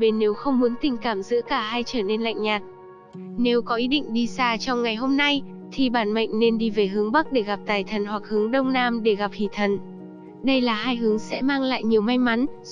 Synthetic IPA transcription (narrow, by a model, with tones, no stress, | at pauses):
ɓe˧˩nːe˨˦wxə˧wŋ͡mmu˨˦ənt̪ï˨˩ŋ̟kaː˧˩mzɨ̰˧˥kaː˧˩ɦaː˧jt͡ɕəː˧˩ne˧nla̰˧˨ŋɲaː˨˩t̚ | ne˨˦wkɔ˨˦ʔi˨˦ɗḭ˧˨ŋ̟ɗi˧saː˧t͡ɕɔ˧wŋ͡mŋa˨˩jɦo˧mna˧j | t̪ʰi˨˩ɓaː˧˩nmə̰˧˨ŋ̟ne˧nɗi˧ve˨˩ɦɨ˨˦əŋɓa˦˥k̚ɗe˧˩ɣa˨˩p̚t̪aː˨˩jt̪ʰə˨˩nhwa˨˩k̚hɨ˨˦əŋɗə˧wŋ͡mnaː˧mɗe˧˩ɣa˨˩p̚hḭ˧˩t̪ʰə˨˩n | ɗə˧jlaː˨˩ɦaː˧jɦɨ˨˦əŋsɛ̰˧˥maː˧ŋla̰ː˧˨jɲi˨˩əwma˧jma˨˦n